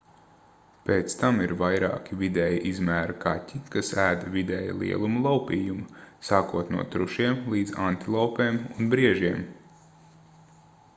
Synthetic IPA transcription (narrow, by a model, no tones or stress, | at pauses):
peːt̪st̪amiɾvajɾɑ̰ːkʲivid̪ɛjiʔizmæːɾɐka̰tʲikasæːd̪ɐvid̪ɛːja̰lˠḭɛlˠumulˠawpiːjumɐsaːkuɔt̪nṵɔt̪ɾuʃiɛmlˠiːd̪zant̪ilˠawpeːmunbɾiɛʒiɛm